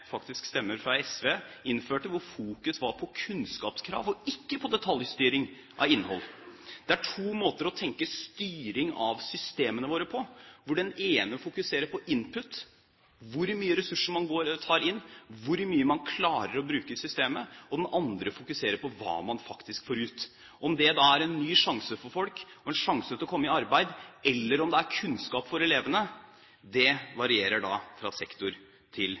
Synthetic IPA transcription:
fɑkt̪ɪskst̪ɛmːəɾfɾɑɛsʋeːɪnføːʈəʋʊɾfuːkʉsʋɑɾpʰɔkʰʉnskɑːpskʰɾɑ̰ːʋɔɪkːəpʰɔd̪ɛt̪ʰɑljst̪yːɾɪŋ | ʔɑ̰ʋɪnːhɔ̰lːd̪̥ɛæʈʰuːmoːt̪əɾɔt̪ʰɛŋkəst̪yːɾɪŋɑ̰ʋsʏst̪eːmənəʋoːɾəpʰɔʋʊɖɛneːnəfʊkʉseːɾəpʰɔʔɪnpʰʉt̪ | ʋʊɾmyːəɾɛsʉʂəmɑnɡoːɾt̪ʰɑːɾɪnːʋʊɾmyːəmɑnkʰlɑːɾəɾɔbɾʉːkəsʏst̪eːməɔd̪ɛnʔɑnd̪ɾəfʊkʉseːɾəpɔʋɑ̰ːmɑnfɑkt̪ɪskfoːɾʉːt̪ | ɔmd̪ɛd̪ɑːæɾɛnːyːʂɑŋsəfɔɾfɔlkɔɛnʂɑŋsət̪ʰɪlɔkʰɔmːəɪɑɾbæɪd̪ɛlːəɾɔmd̪ɛæɾkʰʉnskɑːpfɔɾɛleːʋənə | d̪ɛʋɑɾɪeːɾəɖɑ̰ːfɾɑsɛkt̪ʊɾ | t̪ʰɪl

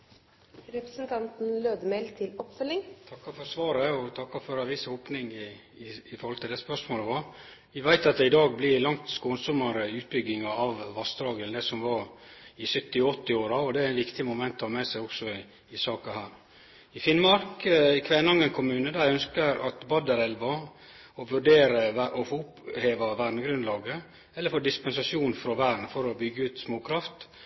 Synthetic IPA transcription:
ɾɛpɾəsənt̪ʰɑnt̪n̩løːd̪əmeɪlt̪ʰɪlɔpfœlːɪŋt̪ʰɑkːɑfɔɾsʋɑːɾəɔt̪ʰɑkːɑfɔɾɑʋiːshoːpnɪŋɪ | ɪːfɔɾhɔlt̪ʰɪld̪ɛspœʂmoːləʋɑ | ʋɪʋæɪt̪ɑt̪̚d̪ɛɪd̪ɑːɡ̚blɪɾlɑŋt̪skoːnsɔmɑɾəʉːt̪̚bʏɡɪŋɑɑʋʋɑst̪ɾɑːɡəld̪ɛsɔmʋɑɾɪsœt̪ːɪɔt̪ːɪoːɾɑɔd̪ɛæɾæɪnʋɪkt̪ɪmʊmɛnt̪ɔmɛːsæɪɔksɔ | ɪsɑːkɑhæːɾ | ɪfɪnmɑɾkkʰʋɛːnɑŋːənkʰʊmʉːnəd̪æɾœnskəɾɑ̰t̪bɑd̪əɾɛlʋɑ | ɔʋʉɖeːɾəʔɔfoʊpheːʋɑʋæːɖnəɡɾʉnd̪lɑːɡə | ɛlːəɾfoːɖɪspɛnsɑʂjuːnfɾɔʋæːɖn̩fɔɾɔbʏɡːəʉːt̪smoːkʰɾɑft̪

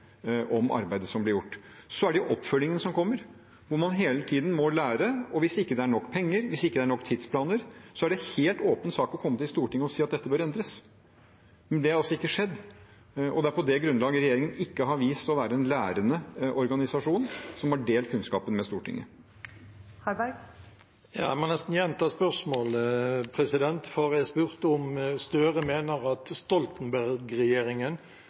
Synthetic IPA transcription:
ʔɔmʔɑ̰ɾbæɪd̪əsɔmblɪɾjʊʈː | sɔæɖɛjʊʔɔpːfœlːɪŋənsɔmkʰɔmːəɾ | ʋʊɾmɑnɦeːlət̪ʰiːd̪n̩mɔlæːɾəɔʋɪsɪkːəd̪ɛæɳɔkːpʰɛŋːəɾʋɪsɪkːəd̪ɛæɳɔkːt̪ʰɪd̪spʰlɑːnəɾsɔæɖɛheːlt̪oːpənsɑːkɔkʰɔmːət̪ɪlst̪uːʈɪŋːəɔsiːɑt̪̚d̪ɛt̪ːəbøːɾɛnd̪ɾəs | mɛnd̪ɛhɑɾɑlsɔɪkːəʂɛd̪ː | ʔɔd̪ɛæɾpʰɔd̪ɛɡɾʉnlɑːɡəɾɛjeːɾɪŋənɪkːəɦɑɾʋiːst̪ɔʋæːɾəɛnlæːɾənəʔɔɾɡɑnɪsɑʂuːnsɔmhɑɖeːlt̪kʰʉnskɑ̰ːpənmɛst̪uːʈʰɪ̰ŋːə̰ | hɑɾbæɾɡ | jɑ̰æ̰mɑnnɛst̪n̩jɛnt̪ʰɑːspœʁʂmoːlpʰɾɛsɪd̪ɛnt̪foʁæspʉʁt̪ʊmst̪œːʁəmeːnəʁɑt̪st̪ɔlt̪nbæɾɡɾɛjeːɾɪŋən

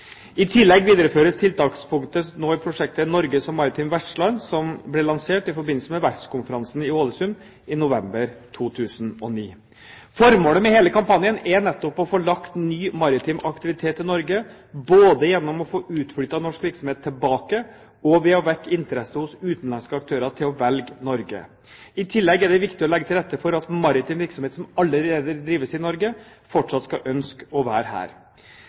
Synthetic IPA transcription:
ɪt̪ʰɪlːɛɡʋiːd̪əɾəføːɾəst̪ʰɪlt̪ɑːkspʰʊŋkt̪ənoːɪpʰɾʊʂɛk̚t̪ənɔɾɡəsɔmːɑɾɪt̪ʰiːmʋæʈʂlɑnsɔmblɛlɑŋseːʈɪfɔɾbɪnlsəmɛʋæʈskʰʊnfəɾɑnsn̩ɪoːləsʉn | ɪnʊʋɛmbəɾt̪ʰuːt̪ʰʉːsnɔ̰nḭː | fɔɾmoːləmɛheːləkʰɑmpɑnjənɛnɛt̪ːɔpɔfoːɭɑkt̪nyːmɑɾɪt̪ʰimʔɑkt̪ɪʋɪt̪ʰeːt̪ɪnɔɾɡə | boːd̪əjɛnːɔmɔfoːʔʉːt̪fɽyːt̪ɑnɔʂkʋɪɾksɔmheːt̪ʰːɪlbɑːkə | ɔʋɛɔʋɛkːɪnt̪əɾɛsəhʊsʉːt̪n̩lɑnskəɑk̚t̪ʰøːɾɑʈ̪ʰɪlɔʋɛlɡnɔɾɡə̰ | ɪt̪ʰɪlːɛɡɛɖɛʋɪkt̪ɪɔlɛɡːət̪ɪlɾɛt̪ːəfɔɾɑt̪mɑɾɪt̪ɪːmʋɪɾksɔmheːt̪sɔmɑlːəɾeːd̪əɾd̪ɾiːʋəsɪnɔɾɡə | fɔʈʂɑt̪ːskɑʔœnskɔʋæːɾhæ̰ːɾ

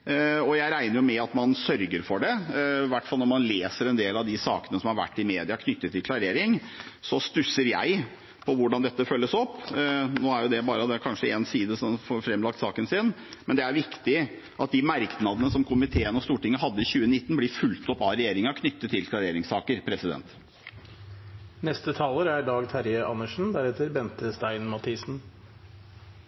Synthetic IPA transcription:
ɔjæɪɾæɪnəɾjʊmɛɑt̪mɑnsœɾɡəɾfɔɖɛʋæʈːfɑlnɔɾmɑnleːsəɾɛnd̪eːlɑʋd̪ɪsɑ̰ːkənəsɔmhɑɾʋæ̰ʈːɪmeːd̪ɪɑkʰnʏt̪ːət̪ʰːɪlkʰlɑɾeːɾɪŋsɔst̪ʉsːəɾjæ̰ɪ | pʰɔʋʊɖɑnd̪ɛt̪ːəfœlːəsɔpːnoːæɾjʊd̪ɛbɑːɾəd̪ɛkʰɑnʂəɛnsiːd̪əsɔmfɔɾfɾɛmlɑk̚t̪sɑːkənsɪn | mɛnd̪ɛæɾʋɪkt̪ɪ | ʔɑt̪̚d̪ɪmæɾknɑd̪ənəsɔmkʰʊmɪt̪ʰeːənɔst̪uːʈɪŋːəɦɑd̪ːəɪçʉːənɪt̪ːnblɪfʉlt̪ɔpɑɾɛjeːɾɪŋɑkʰnʏt̪ːət̪ʰːɪlt̪ʰɪlɾɛjeːɾɪŋsɑːkəɾpʰɾɛsɪd̪ɛ̰nt̪ | nɛst̪ət̪ʰɑːləɾæɖɑːɡt̪ʰæɾjəʔɑnəʂn̩d̪æɾɛt̪əɾbɛnt̪əst̪æɪnmɑt̪ʰiːsn̩

